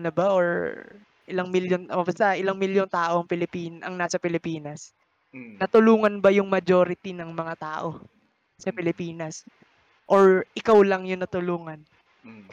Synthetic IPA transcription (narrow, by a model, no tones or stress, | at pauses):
nɐbaʔoɹ | ʔɪlaŋmɪljonbast̪ɐʔɪlɐŋmɪljont̪aːʔo̞ɐŋpɪlɪpiːnɐŋnaːsɐpɪlɪpiːnɐs | nɐt̪ʊluːŋɐnbɐjʊŋmɐd͡ʒoɾɪt̪inɐŋmɐŋat̪aːʔo̞ | sɐpɪlɪpiːnɐs | ʔoɹʔɪkawlɐŋjʊŋnɐt̪ʊluːŋɐn